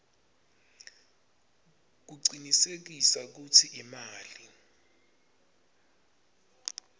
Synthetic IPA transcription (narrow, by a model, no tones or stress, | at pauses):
k̬uǀinisek̬isak̬utʰiʔimaːli